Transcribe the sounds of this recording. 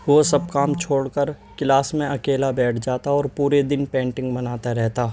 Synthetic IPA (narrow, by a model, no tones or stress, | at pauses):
ʋosɐb̚kaːmt͡ʃʰoːɽkəɾ | kɪlaːsmẽɐkeːlabɛːʈʰd͡ʒaːt̪aɔːɾpuːɾed̪ɪnpɛ̃ːɳʈɪ̃ŋɡbɐnaːt̪aɾɛɦt̪aː